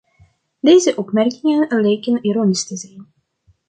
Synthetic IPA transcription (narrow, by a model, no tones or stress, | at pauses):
deːzəʔɔpmɛrkɪŋənlejkəniɾoːnistəzɛjn